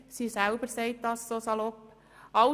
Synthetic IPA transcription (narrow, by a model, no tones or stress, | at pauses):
sisælb̥əɾseɪt̚dɑsːosɑlopː | ɑ